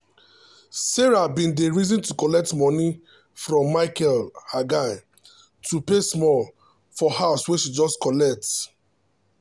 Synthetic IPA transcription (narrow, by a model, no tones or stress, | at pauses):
sɛɹabĩndeɹizɔ̃ntukɔlɛk̚tmɔni | fɹɔ̃mːaɪkɛlaɡa | tʰupesmɔl | fɔhaʊsweʃid͡ʒɔstkɔlɛk̚t